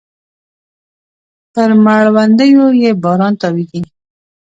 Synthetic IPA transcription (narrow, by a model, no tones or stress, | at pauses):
pəɾmaɭwand̪əjojebɑɾɑnt̪ɑwiɡi